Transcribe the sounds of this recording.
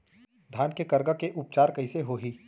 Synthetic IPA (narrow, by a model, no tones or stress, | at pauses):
d̪ʱaːnkekɐɾɡakeʔʊp̚t͡ʃaːɾkɐɪseɦoːɦiː